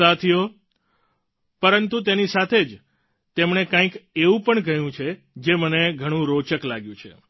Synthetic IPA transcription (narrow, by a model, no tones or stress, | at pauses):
at̪ʰio | pəɾənt̪ut̪̬enisat̪ʰed͡ʒ | t̪emɳ̃ekãĩkeʋũpəɳɡəjũt͡ʃʰe | d͡ʒeməneɡʱəɽ̃ũɾot͡ʃəklaɡjũt͡ʃʰḛ